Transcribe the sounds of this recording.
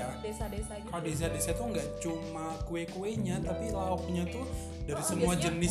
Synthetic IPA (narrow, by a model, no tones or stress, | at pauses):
a | kalodes̬adesat̪uŋɡaʔt͡ʃumakuekueɲat̪apilaɔk̚ɲat̪u | daɾisəmuad͡ʒənɪ